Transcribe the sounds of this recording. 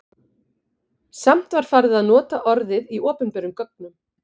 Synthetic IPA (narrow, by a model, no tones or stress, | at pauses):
sam̥t̪vaɾ̥faɾðɪaðnɔːt̪aʔɔɾðɪðiɔːpʏnpɛɾʏmkœk̚nʏm